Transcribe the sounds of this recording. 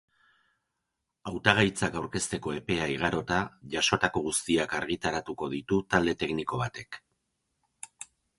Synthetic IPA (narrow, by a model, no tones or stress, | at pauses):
awt̪aɣ̞ajt͡sakawɾke̞st̪e̞ko̞e̞pe̞aiɣ̞aɾo̞t̪aʝaʃo̞t̪ako̞ɣ̞ust̪iakaɾɣ̞it̪aɾat̪uko̞ðit̪ut̪ald̪e̞t̪e̞kniko̞βat̪e̞k